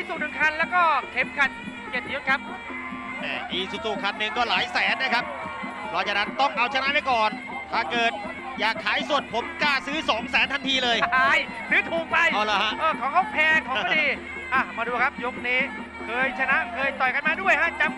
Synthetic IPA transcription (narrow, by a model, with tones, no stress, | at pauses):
i˧suː˨˩k̚nɯ˨˩ŋkʰa˧nlɛː˦˥wkɔː˥˩kʰe˦˥mkʰa˨˧˩t̪̚ | ki˨˩ət̪ʔi˧jo˦˥t̪̚kʰa˦˥p̚ | nɛ̰ː˧˩ʔiː˧˩suː˨˩k̚suː˨˩kʰa˧nːɯ˧ŋkɔː˥˩laː˩˦jsɛː˨˩˦nːa˦˥kʰa˦˥p̚ | kʰɔː˦˥˩t͡ɕa˨˩na˦˥nt̪ɔ˥˩ŋʔa˧wt͡ɕʰa˧na˦˥ʔma˥˩jkɔː˨˩n | t̪ʰaː˧˩kɤː˨˩t̪̚ | jaː˨˩kʰːaː˨˩˦jsu˨˩ət̪̚pʰo˩˦mkaː˧˩sɯː˦˥sɔː˩˦ŋsɛː˨˩˦nt̪ʰa˧nt̪ʰiː˧lɤː˧jj | sɯː˨˦˥t̪ʰuː˨˩k̚pa˧jʔa˧˩laː˦˧ɦa˦˥ʔʔɤː˧˩kʰɔː˨˦ŋʰkɔ˧˥˩pʰɛː˧kʰɔː˨˦ɔ˥˩diː˧ | ʔa˧˩maː˧duː˧kʰa˦˥p̚jo˦˥k̚niː˦˥ | kʰɤː˧jt͡ɕʰa˧na˦˥ʔkʰɤː˧jt̪ɔ˨˩jka˧nmaː˧du˥˩əjha˦˥t͡ɕa˧m